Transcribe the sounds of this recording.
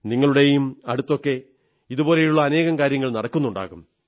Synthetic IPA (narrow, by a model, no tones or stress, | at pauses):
niŋːɐɭuɽe̞jumɐɽut̪ːo̞kːe̞ | iðubo̞ːle̞juɭːɐːne̞ːɣɐmkaːɾjɐŋːɐɭnɐɽɐkːunːuɳɖa̰ːɣum